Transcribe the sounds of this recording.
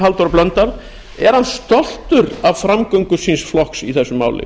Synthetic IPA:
ɦalt̪ɔɾaplœnt̪aɾ | ɛɾ̥hanst̪ɔl̥t̪ʏɾavfɾamkœɥŋkʏsinsflɔhksiθɛsːʏmːa̰ːwlɪ̰

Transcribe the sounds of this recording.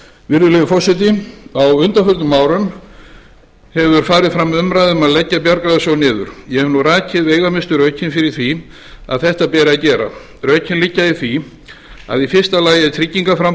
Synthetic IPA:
vɪɾðʏlevʏfɔsɪt̪̬ɪawʏnt̪afʏɾt̪nʏmːaːwɾʏn | hɛvʏɾ̥faːɾɪðfɾamːʏmɾajðʏmaðlɛcːapjaɾkaðasɔnɪːðʏ̰ɾ̥jɛhɛvnuraːcɪðeːjɣamɪst̪ʏɾœɥcʰɪnfɪɾɪɾ̥θi | a̰ðθɛht̪apɛːɾɪacɛːɾa̰ | rœːɥcʰɪnlicːaiθvi | a̰ðifɪr̥st̪alaːjait̪ʰɾicːiŋkafɾam

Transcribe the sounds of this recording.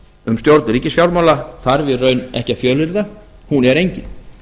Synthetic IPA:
ʏmst̪jowɾt̪nɛɾicːɪsçjawɾmawlaθaɾvɪrœɥnɛ̰hcafjœːlɪɾða | hunɛɾejɲcɪn

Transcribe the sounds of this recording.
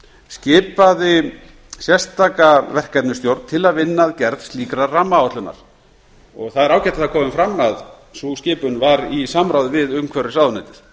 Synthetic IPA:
scɪːpaðɪ | sjɛst̪aːkavɛr̥kɛt̪nʏst̪jowɾnt̪ʰɪlaðvɪnːaðcɛɾðst̪liːkɾaːamːaawt̪lʏna̰ɾ̥ | ɔɣθaðɛɾaːwcɛt̪aθakʰɔːmɪmfɾamːað | suscɪːpʏnvaɾisamɾaːwðʏvɪðʏmkʰɛɾɪ̥saːwðʏnajt̪ɪɾ̥

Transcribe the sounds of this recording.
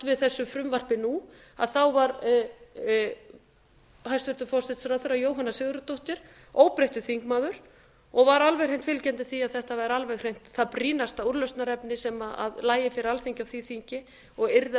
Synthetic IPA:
t̪vɪðθɛsːʏfɾʏmvar̥pɪnu | a̰ðθawvaɾ | hajst̪ʏɾt̪ʏfɔsɪt̪sɾaðθœɾajoːwɦanasɪɣɾʏt̪oht̪ɪɾ̥ | oːwpɾeht̪ʏθiŋ̥kmaːðʏɾ̥ | ɔɣvaɾalvɛjɣrejn̥t̪fɪlcɛnt̪ɪθiaðθɛht̪avaɾalvɛɣr̥ejn̥t̪θaðpɾiːnast̪auɾlœst̪naɾɛpnɪsɛmaa̰ðlaːjɪfɪɾɪalθiɲcawθiθiɲcɪ | ɔɣɪɾð

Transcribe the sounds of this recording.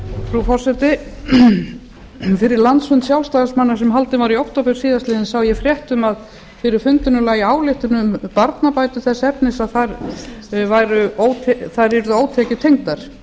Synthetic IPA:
fɾufɔr̥sɛt̪ɪ | fɪɾɪɾlant̪sfʏnt̪sjawlst̪aːðasmanːḁsɛmɦalt̪ɪvaɾiowht̪opʏɾ̥siːðast̪lɪːðɪnsawjɛfɾjɛht̪ʏmað | fɪɾɪɾ̥fʏnt̪ʏnʏlaːjɪaːwlɪht̪ɪnʏmpaɾt̪napaːjt̪ʏθɛsːɛpnɪsaðθaɾ | vajɾʏoːwt̪ʰɛθaɾɛɾðʏoːwt̪ʰɛːcɪt̪ʰejŋt̪aɾ̥

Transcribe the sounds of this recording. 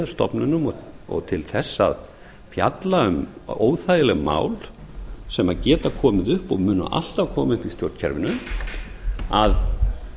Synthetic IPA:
ast̪ɔ̰pnʏnʏmɔɔ̰ɣt̪ʰɪlθɛsːa̰ð | fja̰t̪laʏmoːwθaːjɪlɛɣma̰ːwlsɛmacɛːt̪akʰɔːmɪðʏhpɔɣmʏːnʏ̰ʔa̰l̥t̪avkʰɔːmaʏhpist̪jowɾt̪cʰɛ̰ɾvɪnʏm | að

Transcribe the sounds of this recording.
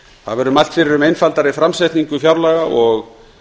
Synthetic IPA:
θaðvɛɾʏmalt̪fɪɾɪɾʏmejnfalt̪aɾifɾamsɛjt̪niŋkʏfjawɾlaɣaʔɔɣ

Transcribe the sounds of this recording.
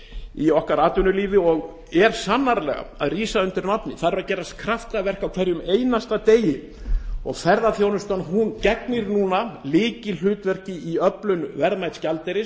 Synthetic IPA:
iɔhkaɾaːt̪ʏnʏliːvɪɔɣ | ɛɾ̥sanːaɾlɛ̰ɣa̰a̰ðriːsaʏnt̪ɪɾnapnɪθaɾvaðcɛːɾast̪kʰɾaft̪avɛr̥kawkʰv̥ɛɾjʏmeːjnast̪at̪eːjɪ | ɔ̰ɣθɛɾðaθjoːwnʏst̪ɔnɦuncɛknɪɾnuːnalɪːcɪl̥ʏːt̪vɛr̥cɪiœplʏnvɛɾðmajt̪scalt̪ɛɾɪ

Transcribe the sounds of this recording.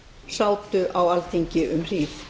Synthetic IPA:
saːwt̪ʏʔawalt̪ʰiɲcɪʔʏmr̥iːθ

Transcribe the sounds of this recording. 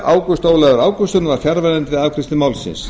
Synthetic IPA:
ʔaːwkʏst̪owlɛðʏɾaːwkʏst̪ʏnvaɾ̥fjaɾvɛnɛnt̪vɪðawkʰɾɪst̪ɪmaːwlsɪ̰ns

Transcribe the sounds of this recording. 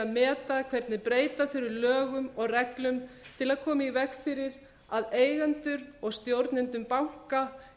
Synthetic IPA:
amɛːt̪akʰvɛɾt̪nɪpɾeːjt̪afɪɾʏɾlœːɣʏmɔɣrɛklʏmt̪ʰɪlaðkʰɔːmaivɛkfɪɾɪɾ | aðeːjɣant̪ʏɾɔɣst̪jowɾt̪nɪnt̪ʏmpawŋ̥ka

